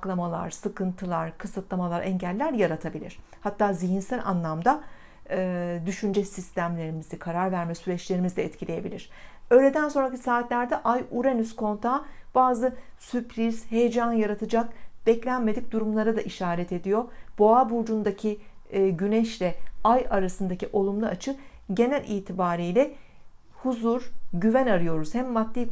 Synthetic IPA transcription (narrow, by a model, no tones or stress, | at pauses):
klˠamalˠa̰ɾ̥sɯkɯnt̪ʰɯlˠaɾ̥kʰɯsɯt̪lˠamalˠaɾʔɛɲɟælʲːæɾjaɾat̪ʰabilʲḭɾ̝̥ | hat̪ːaːziɦinsælʲa̰nlˠamd̪a | d̪yʃynd͡ʒɛsist̪ʰæmlʲe̞ɾimizikʰaɾaɾvæɾmɛsyɾɛt͡ʃlʲe̞ɾimizlʲɛːt̪cʰilʲeje̞bilʲiɾ̥ø̞jlʲed̪ænso̞nɾacʰi̥saːt̪lʲæɾd̪ɛʔajuɾenyskʰo̞nt̪ʰaːb̥aːzɯsypʰɾiz̥he̞jed͡ʒanjaɾat̪ʰɯd͡ʒak̚b̥ɛclʲænme̞d̪ic̚d̪uɾumlˠaɾad̪aʔiʃaːɾɛt̪ʰe̞d̪ijo̞b̥o̞abuɾd͡ʒund̪acʰi | ɟynɛʃlʲɛajaɾasɯnd̪aciʔo̞lˠumlˠaat͡ʃʰɯ | ɟe̞nælʲʔḭːt̪ʰibaːɾijlʲɛ | huzuɾɟyvænaɾɯjo̞ɾuz̥hɛmːad̪̚ːiː